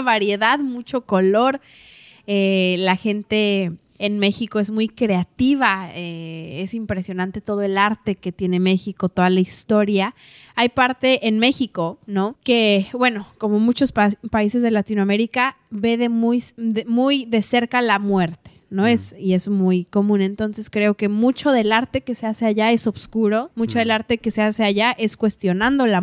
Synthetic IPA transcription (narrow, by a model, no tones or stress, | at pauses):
βaɾje̞ðaðmut͡ʃo̞ko̞lo̞ɾ | elaxe̞nt̪e̞ː | nme̞xiko̞e̞zmujkɾe̞at̪iβ̞aeesimpɾe̞sjo̞nãnt̪e̞t̪o̞ð̞o̞e̞laɾt̪e̞ke̞t̪je̞ne̞me̞xiko̞t̪o̞ðalaist̪o̞ɾja | ajpaɾt̪e̞ʔenme̞xiko̞no̞ke̞bwe̞no̞ko̞mo̞mut͡ʃo̞spaise̞zð̞e̞lat̪inwame̞ɾika | βe̞ðemujðemujðe̞se̞ɾkalamwe̞ɾt̪e̥no̞esie̞zmujko̞mũne̞nt̪o̞nse̞skɾe̞o̞ke̞mut͡ʃo̞ðe̞laɾt̪e̞ke̞se̞ase̞aʝae̞so̞βskuɾo̞mut͡ʃo̞ð̞e̞laɾt̪e̞ke̞se̞ase̞aʝaʔe̞skwe̞st̪jo̞nãnd̪o̞la